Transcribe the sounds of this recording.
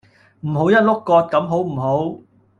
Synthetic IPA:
m̩˨˩ɦo˨˥wjɐ˥t̚lʊ˥kːɔː˧t̚kɐ˨˥mɦo˨˥wm̩˨˩ɦo˨˥w

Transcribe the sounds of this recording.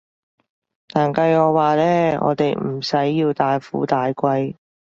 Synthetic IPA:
t̪aː˨nkɐ˧jɔː˨˧waː˨˧lɛː˥ɔ̰ː˨˧t̪e˨jm̩˨˩sɐ˨˥jːiː˧wt̪aː˨˧jfṵː˨˥t̪aː˨jkʷɐ˧j

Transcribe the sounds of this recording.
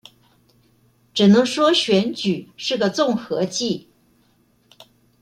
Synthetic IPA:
ʈ͡ʂɻ̩˨˩nɤ˧˥ŋʂwɔ˥ɕɥɛ˧˥nt͡ɕy˨˩ʂɻ̩˥˩ɡə˩t͡sʊ˥˩ŋxɤ˧˥t͡ɕi˥˩

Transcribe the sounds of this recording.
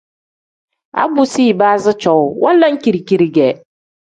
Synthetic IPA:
a̰˦bu˦si˦˨baː˦zɪ˦t͡ʃɔ˦wʊ˦wʔɔ̃˦n˦la˦ŋ̩˦ki˨ɾi˨ki˨ɾi˨ɡɛ˨

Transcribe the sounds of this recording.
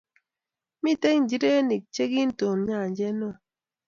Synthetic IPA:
mi˦te˦ŋn̩˨d͡ʒi˦de˦ni˨k̚t͡ʃe˦ɡi˦n̩˦to˨m˦ɲa˦˨d͡ʒe˦nɔ˦˨

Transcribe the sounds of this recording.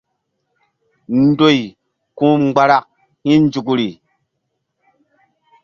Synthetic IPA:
n˦do˦˨i˨ | kũ˦mɡ͡ba˦ɾa˦k̚ | hĩ˦n˦d͡ʒu˨k̬u˨ɾi˨

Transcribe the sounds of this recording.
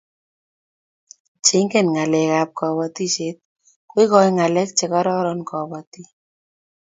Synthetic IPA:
t͡ʃe˦ŋkɛ˦˨nŋa˨lɛ˨ka˨p̚kɔ˨βɔ˨t̪i˦t͡ʃe˦t̪̚ | ko˦i˦kɔ˦jŋa˨lɛ˦k̚t͡ʃe˨kɔ˦ɾɔ˦ɾɔ˦nkɔ˨bɔ˨ti˦

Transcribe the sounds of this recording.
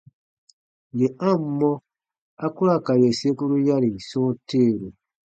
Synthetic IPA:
je˨ã˦˨m˦mːɔ̃˦ | a˦ku˦ɾa˦˨ka˨je˨se˦ku˦ɾu˦ja˦ɾi˨sɔ̃ː˦teː˦˨ɾu˨

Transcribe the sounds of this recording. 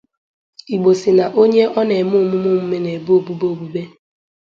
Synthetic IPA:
i˨ɡ͡bo˨si˨na˨ʔo˦ɲe˦ʔɔ˦ne˨mʊ˦˨mʊ˦mʊ˦m̩˦me˦ne˨bo˦bu˦bo˦˨bu˦be˦

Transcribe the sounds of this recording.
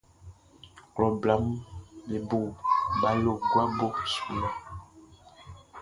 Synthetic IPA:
klɔ˨bla˨˦m˦be˨bo˦˨ba˨lo˦˨ɡwa˦bo˦su˨la˦˨

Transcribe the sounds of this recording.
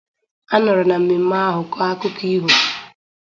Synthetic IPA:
a˦nɔ˨ɾʊ˨na˨m̩˨mi˨m̩˦ma˦ɦʊ˨kɔ˦a˦kʊ˦ki˦ɦu˨

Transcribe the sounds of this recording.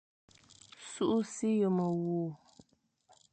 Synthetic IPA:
su˦ʔu˦si˦jo˨mə˨wuː˨

